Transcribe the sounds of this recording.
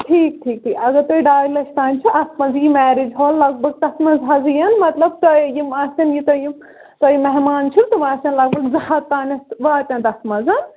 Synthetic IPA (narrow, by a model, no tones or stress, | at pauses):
ʈʰiːk̚ʈʰiːk̚ʈʰiːkɐɡɐɾt̪oːiɖaːjlɐʃʰt̪aːnʲt͡ʃʰuʔɐsmɐzimɛːɾid͡ʒɦoːllɐɡ̚bʱɐɡ̚t̪ɐsmɐzɦɐzijɐnmɐt̪lɐb̚t̪ɐjimaːsʲɐnjit̪ɐji | t̪ɐjimɐɦmaːnt͡ʃʰunt̪ɐʋaːsɐnlɐɡ̚bɐɡzɐat̪ːaːnʲɐsʋaːt̪ʲɐ̃nt̪ɐsmɐzɐn